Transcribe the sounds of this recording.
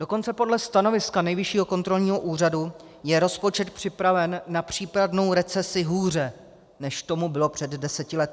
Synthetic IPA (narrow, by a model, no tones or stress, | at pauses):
do̞ko̞nt͡sɛpo̞dlɛst̪ano̞vɪskanɛjvɪʃiːɦo̞ko̞nt̪ɾo̞lɲiːɦo̞ʔuːradu | jɛɾo̞spo̞t͡ʃɛt̪pr̝̥ɪpɾavɛnːapr̝̥iːpɾadno̞wɾɛt͡sɛsɪɦuːr̝ɛ | nɛʃt̪o̞mubɪlo̞pr̥ɛddɛsɛcɪlɛt̪ɪ